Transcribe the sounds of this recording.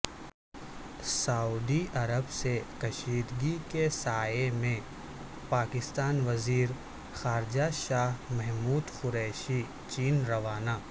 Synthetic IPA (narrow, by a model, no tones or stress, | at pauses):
sauːd̪iʔɐɾəbsekɐʃiːd̪ɡikesaːjemẽ | paːkɪst̪aːnʋɐziːɾ | xaːɾd͡ʒaʃaːɦmɛɦmuːd̪xʊɾɛːʃi | t͡ʃiːnɾɐʋaːnaː